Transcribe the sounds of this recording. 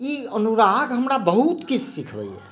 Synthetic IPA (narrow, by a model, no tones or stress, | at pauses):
iənuɾaɡɦəmɾabəɦut̪kit͡ʃʰsikʰbɛ̰jɛ̰